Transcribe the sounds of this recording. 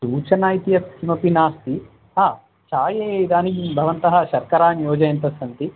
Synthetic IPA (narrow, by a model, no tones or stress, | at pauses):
suːt͡ʃɐnaːjt̪ijɐsʰimɐpinaːst̪i | ɦaː | t͡ʃaːjeːejd̪aːnikibʱɐʋɐnt̪ɐɦɐ̆ʃɐɾkɐɾaːnjɔːd͡ʒɐjɐnt̪ɐsɐnt̪i